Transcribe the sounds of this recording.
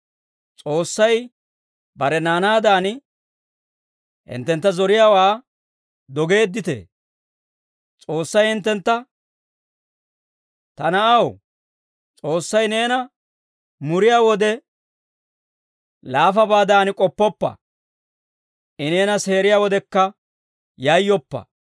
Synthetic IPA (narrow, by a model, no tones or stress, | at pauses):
t͡sʼo̞ːsːɐj | bɐɾɛnaːnaːd̪aːnɪ | hɪ̰nt̪ːɛnt̪ːɐzɔɾɪjaːwaː | d̪ɔɡe̞ːd̪ːɪt̪ḛː | t͡sʼo̞ːsːɐjhɪnt̪ːɛnt̪ːɐ | t̪ɐnɐʔɐw | t͡sʼo̞ːsːɐjne̞ːnɐ | mʊɾɪjaːwɔd̪ɛ | laːfɐbaːd̪aːnɪkʼɔpːɔpːɐ̰ | ʔɪne̞ːnɐse̞ːɾɪjaːwɔd̪ɛkːɐ | jɐjːɔpːɐ̰